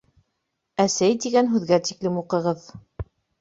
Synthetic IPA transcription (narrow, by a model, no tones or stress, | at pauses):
æsæjt̪iɡænɦʉðɡæt̪iklɘmuqɤ̆ʁɤð